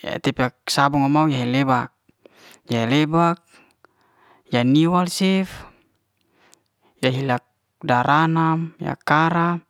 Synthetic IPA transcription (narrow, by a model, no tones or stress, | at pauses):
ja̰t̪ɛpaksabɔŋamaujaɦelebak̚ | jaɦelebak̚ | janiwalsɛf | jaɦilak̚ | daɾʔanamja̰kaɾa